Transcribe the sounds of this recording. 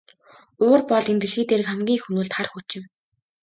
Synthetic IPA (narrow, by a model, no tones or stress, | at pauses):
ʊːrpɔɮent̪ɘ̆ɮɣiːt̪eːɾɘ̆kχæmɡʲiːŋxunuːɮt̪χarxut͡ɕɪ̆m